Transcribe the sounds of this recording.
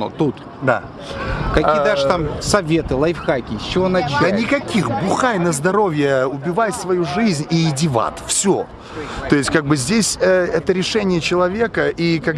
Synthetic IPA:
o̰t̪ut̪ | d̪a̰ | kɐkiijd̪aʐt̪amsɐvʲet̪ɨlˠɐjɪfxakʲɪsʲt͡ɕɪvonɐt͡ʃ̪ənʲɪkɐkʲixbʊxajnəzd̪ɐɾo̞vʲjəʊbʲɪvajt̪svɐjuʐɨzʲnʲidʲɪva̰t̪fsʲo̰ | t̪o̞ɪsʲtʲkaɡ̚bɨzʲdʲesʲəɛt̪əɾʲɪʂɛnʲɪjət͡ɕɪlˠɐvʲe̞kəʔikaɡ

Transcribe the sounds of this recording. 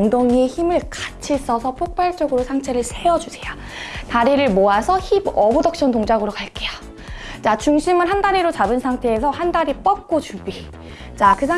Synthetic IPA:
ŋdoŋieçimɯɭkat͡ɕʰis͈ʌsʰʌpʰok̚p͈aɭt͡ɕ͈ʌɡɯɾosʰaŋt͡ɕʰe̞ɾɯɭsʰe̞ʌd͡ʑusʰe̞ja | taɾiɾɯɭmoasʰʌçibʌbodʌk̚ɕ͈ʌntoŋd͡ʑaɡɯɾokaɭk͈eja | t͡ɕat͡ɕuŋɕʰimɯnɦandaɾiɾot͡ɕabɯnsʰaŋtʰe̞ːsʰʌhandaɾip͈ʌp̚k͈ot͡ɕubi | t͡ɕakɯsʰa

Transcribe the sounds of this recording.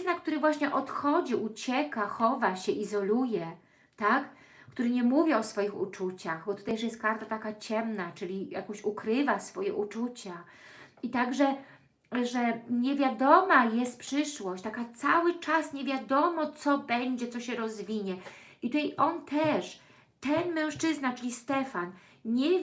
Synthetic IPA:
nak̚t̪uɾɘvwaɕɲɛʔɔt̪xɔd͡ʑiʔut͡ɕɛkaxɔvaɕɛʔizɔlujɛ | t̪ak | kt̪uɾɘɲɛmuvʲjiɔsfɔjixṵt͡ʂut͡ɕaxbɔt̪u̥t̪ajʂjɛst̪̚kaɾt̪at̪akat͡ɕɛmnat͡ʂɘlʲija̰kɔ̃ɕukɾɘvasfɔjɛ̰ʔut͡ʂut͡ɕa | it̪aɡʐɛ | ʐɛɲɛvʲjad̪ɔmajɛst̪̚pʂɘʂwɔɕt͡ɕt̪akat̪sawɘt͡ʂasɲevʲjad̪ɔmɔt̪sɔbɛɲd͡ʑɛt̪sɔɕɛɾɔzvʲiɲɛit̪ut̪ajʔɔnt̪ʰɛʂ | t̪ɛnmɛ̃w̃ʂt͡ʂɘznat͡ʂɘlʲist̪ɛfan | ɲɛ

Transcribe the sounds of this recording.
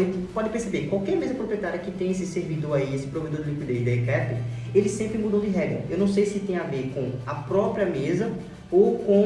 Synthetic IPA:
ɪpɔd̪ɪpeɾsebekwawkɛɾmezɐpɾopɾieɛt̪aɾijɐkɪt̪ẽj̃esɪseɾvid̪oɾaiesɪ̥pɾoved̪oɾd̪ilikwid̪ezd̪eɛkɛt̪u | elɪsẽmpɾɪmud̪õd̪ɪɦɛɡɾɐewnɐ̃w̃sejsɪt̪ẽj̃aveɾkõɐpɾɔpɾiɐmezɐ | okõ

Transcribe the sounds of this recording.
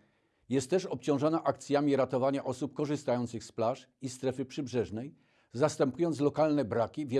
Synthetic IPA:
jɛst̪ːɛʂɔpt͡ɕɔ̃w̃ʐɔnaʔakt̪sʲjamʲiɾat̪ɔvaɲaʔɔsup̚kɔʐɘst̪ajɔnt̪sɘxsplaʂ | ist̪ɾɛfɘpʂɘbʐɛʐnɛj | zast̪ɛmpujɔnt̪slɔkalnɛbɾakʲivʲjɛ

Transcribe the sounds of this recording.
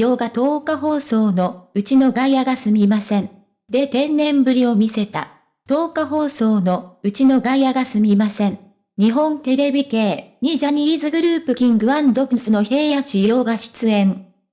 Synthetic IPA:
jo̞ːɡat̪o̞ːkaɦo̞ːso̞ːno̞ɯ̟t͡ɕino̞ɡaijaɡasɨmʲimasẽ̞n | d̪e̞t̪ẽ̞nːẽ̞mbɯ̟ɾʲio̞mʲise̞t̪a̰ | t̪o̞ːkaɦo̞ːso̞ːno̞ɯ̟t͡ɕino̞ɡajaɡasɨmʲimasẽ̞n | ɲ̟iɦõ̞nt̪e̞ɾe̞bʲike̞ːɲ̟iʑaɲ̟iiːzɨɡɯ̟ɾɯ̟ːpɯ̟kʲĩŋɡɯ̟βãnd̪o̞pɯsɨno̞çe̞ːjaɕijo̞ːɡaɕi̥t͡sɨẽ̞ɴ

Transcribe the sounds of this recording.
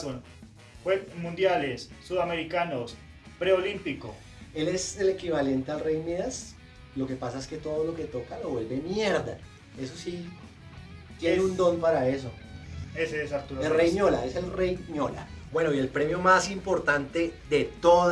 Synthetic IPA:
on | xwemũnd̪jalesːuðameɾikanos | pɾeolimpiko̰ | e̞le̞sele̞kiβale̞nt̪ealrejmeðas | lo̞ke̞pasae̞ske̞t̪o̞ðo̞lo̞ke̞t̪o̞kaleβwe̞lbe̞mjeɾd̪a | e̞s̬osi | t̪jeneund̪o̞npaɾae̞s̬o | eseesaɾt̪uɾelrejmola̰eselrejmjola̰bwe̞no̞ie̞lpɾe̞mjo̞masimpo̞ɾt̪ant̪e̞d̪e̞t̪o

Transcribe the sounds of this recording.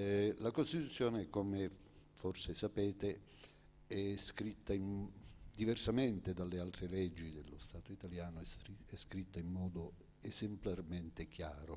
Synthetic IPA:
lakost̪it̪ut̪sːjɔːnekɔme | fɔrsɪsapɛːt̪e | ɛskɾit̪ːaimd̪ivɛrsamɛnt̪ɪd̪alːɪalt̪ɾelɛd͡ʒːid̪elːʊst̪aːt̪ʊit̪aljaːnʊɛskɾit̪ːaimːɔːd̪ʊ | ɛzemplarmɛnt̪ɪk̟jaːɾʊ

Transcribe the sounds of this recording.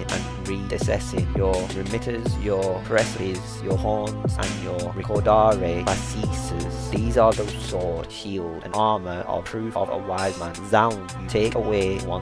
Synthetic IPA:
ə̰̃n | ɹidɪsɛ̰sɪ̃ŋjəɹɪmɪɾəzjəpʰɹɛsəɾɪzjəhɔːntʔə̰̃njəɹɛkʰɔdɑɹe̥asiˑsəz̥ðiːzəðoʊsɔːɹtʃiːlˠdə̰̃nɑɹməʔə̰pʰɹ̥ʉˑfə̰və̰waɪzmãnzãʊ̃n | tʰeɪkəweɪwʌ̃

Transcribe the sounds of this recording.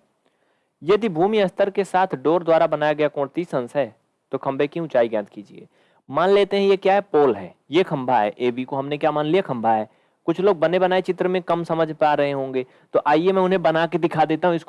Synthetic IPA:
jɐd̪ibʱuːmiɐst̪əɾkesaːt̪ʰɖoːɾd̪waːɾabɐnaːjaɡɐjakõːɽt̪isɐ̃nsɦɛː | t̪okʰɐ̃mbʱekiʊ̃t͡ʃaːiɡɛ̃t̪kiːd͡ʒiḛː | maːnleːt̪eɦɛ̃jekjaːɦɛpoːlɦɛː | jekʰɐ̃mbʱaɦɛ̰ːʔeːbikoɦɐmnekjaːmaːnlijakʰɐ̃mbʱaɦɛː | kʊt͡ʃʰloːɡ̚bɐnebɐnaːet͡ʃɪt̪ɾəmẽkɐmsɐməd͡ʒʱpaːɾɐɦeɦõːŋɡeː | t̪oʔaːiemɛ̃ʊnɦẽbɐnaked̪ɪkʰad̪eːt̪aɦũɪsk

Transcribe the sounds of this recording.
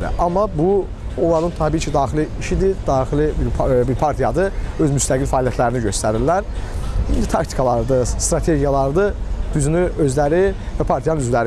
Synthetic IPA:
ḭʔɑmːɑbu | olˠɑɾɯnt̪ʰɑbiːt͡ʃʰid̪ɑːxiliːʃid̪id̪ɑːxilibbiɾpʰɑɾt̪ʰijɑd̪ɯø̞zmyst̪ʰæɡilfæːlijæt̪ʰlæɾiniɟø̞st̪æɾiɾlæɾind̪it̪ʰɑkt̪ʰi̥kʰɑlˠɑɾɯd̪ɯst̪ɾɑt̪ʰe̞ɟijɑlˠɑɾɯd̪ɯd̪̥yzynyø̞zlæɾivæpʰɑɾt̪ʰijɑnɯnyzlæɾi

